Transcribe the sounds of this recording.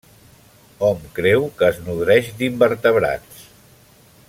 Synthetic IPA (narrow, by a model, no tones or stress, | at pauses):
ɔmkɾɛwkəːznuðɾɛʃd̪imbəɾt̪əβɾa̰t͡s